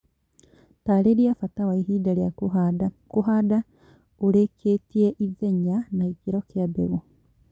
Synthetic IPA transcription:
taɾeɾiafatawaiɦiːdaljaa | kuɦada | uɾekʰetieʔiðeɲanaikiɾɔkjabḛɣo

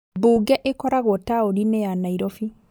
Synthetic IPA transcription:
buɡɛʔekɔɾaɣɔtaoninɛjanaiɾɔfi

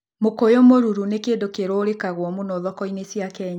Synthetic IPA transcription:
mokojomoɾuɾunekeːndokeɾooɾekaɣwɔmunoðɔkɔinesjakɛɲa

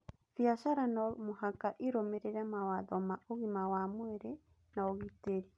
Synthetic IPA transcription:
fiaʃaɾanɔlmoɦakaʔiɾomeɾeɾamawaðɔmaʔoɣimawamwɛɾe | naoɣiteɾi

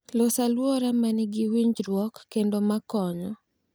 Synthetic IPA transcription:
losalwɔɾamanɪɡɪwiɲd͡ʒɾwɔkːendomakɔɲɔ

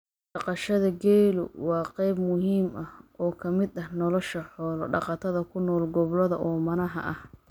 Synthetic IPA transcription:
ɖɑqɑʃɐðɐɡɛːlʊ̰wɑːqɛjbmʊɦiːmɐhɔːkʰɐmɪd̪ɐhnɔlɔʃɐħɔːlɔɖɑ̰qɑt̪ʰɐðɐkʰʊnɔːlɡɔβlɐðɐʔɔːmɐnɐɦɐ̰ʔɐh

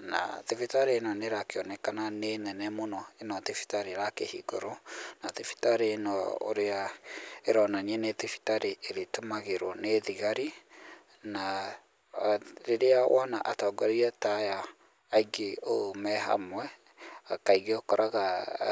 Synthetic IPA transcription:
na̰ðefitaɾenɔneɾakeɔnɛkananenɛnɛmonɔenɔtefi̥taɾeɾakehḭɡɔɾonaðefi̥taɾeːnɔo̰ɾeaeɾɔnaniɛnetifi̥taɾeʔeɾetomaɣeɾwɔneðiɣaɾi | na | ɾeɾeawʔɔnaʔatɔːɡɔɾiatajaː | iɡeomɛɦa̰mwɛ | akaiɣeokɔɾaɣa

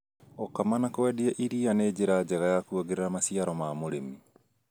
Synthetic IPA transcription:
okamanakwɛdiɛʔiɾianed͡ʑeɾad͡ʑɛɣajakuoɣeɾeɾamasiaɾɔmamoɾemi

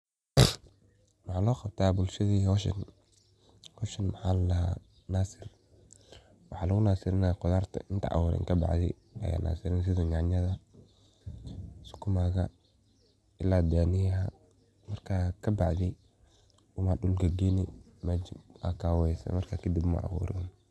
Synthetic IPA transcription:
wɑħaːlɔːqɑb̚t̪ʰaːbʊlʃɐðiːhɔʃɐ̰n | hɔʃɐnmɐħaːlɐ | naːsɪr | wɑħɑːlɐɣʊnaːsɪɾɪnaːqʊðaːrt̪ʰɐ̰ʔɪnt̪ʰɐ̰ʔɑ̰wʊɾɛ̰ŋkʰɐbɑ̰ʕðɪ̰ | ʔɐ̰ja̰ːnʔa̰ːsɪɾɛns̬ɪðɐɲaʕɲɐðɐ | sʊ̥kʰʊmaːɣɐ | ʔɪlaːd̪aːnɪja | mɐrkʰaːkʰɐbɑʕðɪ | ʊmɐɗʊlɡɐɡɛnɪ | mad͡ʒɪbʔa̰kʰaːwɛsɐ̰mɐrkʰakʰɐd̪ibmɐ̰ʔɑ̰wṵːɾɪ̰n

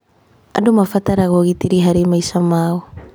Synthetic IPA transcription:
a̰dumafataɾaɡoɡitiɾiɦaɾimajsamao

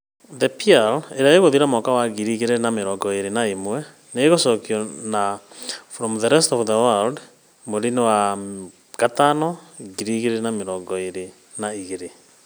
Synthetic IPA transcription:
ðɛpialeɾaeɣoðiɾamɔkawaɣiɾiɣeɾenameɾɔŋɡɔeɾenaimwɛ | neːɣosɔkjɔnafɾɔmðɛɾɛstɔvðəwald | moɾinewa | katanɔɡiɾiɣeɾenameɾɔŋɡɔeɾe | naiɣeɾe

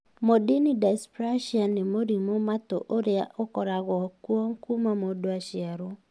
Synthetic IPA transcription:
modinidaspɾaʃiɔnːimoɾimomat̪o̰ʔoɾeaʔokɔɾaɣɔkwoŋkumamodoaʃjɛɾo

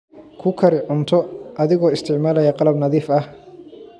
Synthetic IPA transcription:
kʰʊkʰɐɾɪʕʊnt̪ʰɔʔɐðɪɣɔːɪst̪ʰɪʕmaːlɐjɐqɑlɐbnɐðiːfɐh

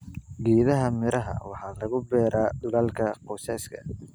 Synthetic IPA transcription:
ɡiːðɐɦɐmɪɾɐɦɐ̰wɑħɑːlɐɣʊbɛːɾaːd̪ʊlɐlkʰɐqɔːsɛːskʰɐ

